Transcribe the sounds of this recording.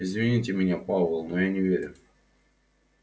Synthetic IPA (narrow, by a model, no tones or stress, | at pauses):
ɪzvʲɪnʲitʲɪmʲɪnʲapavəlˠnojanʲɪvʲeɾʲʊ